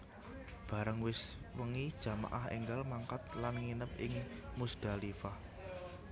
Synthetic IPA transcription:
b̥a̤ɾəŋwɪswəŋid̥ʒ̥a̤ma̰ʔahḛŋɡalmaŋkat̪̚lanŋinəp̚ɪŋmusd̥a̤lifah

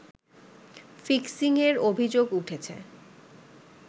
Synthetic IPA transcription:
fiksiŋeɾobʱid͡ʑoɡuʈʰet͡ɕʰḛ

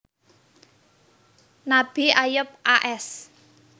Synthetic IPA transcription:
nab̥iajʊp̚aʔɛs

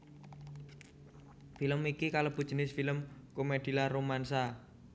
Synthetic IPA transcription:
filəmikikalob̥ṳd̥ʒ̥ənɪsfiləmkomed̪̥i̤laɾomansa

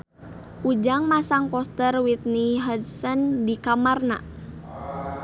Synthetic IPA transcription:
ʔud͡ʒaŋmasaŋkɔst̪ərwit̪̚niɦadsəndikamarna̰

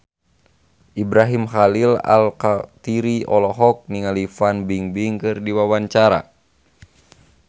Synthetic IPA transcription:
ʔibɾaɦimxalila̰lkat̪iɾiɔlɔɦɔk̚niŋalifanbiŋbiŋkɨrdiwawaɲt͡ʃaɾa̰

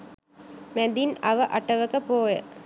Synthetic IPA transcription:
mɛd̪inɐʋɐʔɐʈɐʋəkəpoːjə̰

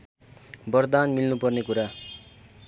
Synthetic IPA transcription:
bʌrd̪anmilnupʌrnekuɾa

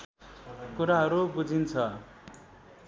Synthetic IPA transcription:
kuɾaɦʌɾubud͡zʱint͡sʰʌ

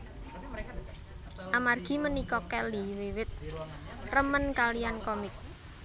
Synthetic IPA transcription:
ʔamarɡ̥i̤mənikɔkɛliwiwɪt̪̚ | rəmənkalijankɔmɪk̚

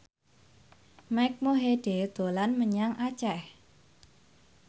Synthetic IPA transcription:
majk̚moɦeɖ̥ed̪̥o̤lanməɲaŋʔat͡ʃɛh

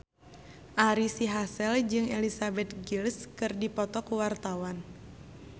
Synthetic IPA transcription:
ʔaɾisiɦasɛld͡ʒɨŋelisabɛt̪̚ɡilskɨrdipɔt̪ɔkuwart̪awan

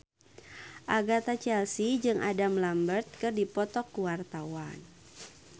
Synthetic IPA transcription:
ʔaɡat̪at͡ʃɛlsid͡ʒɨŋʔadamlambərt̪̚kɨrdipɔt̪ɔkːuwart̪awan

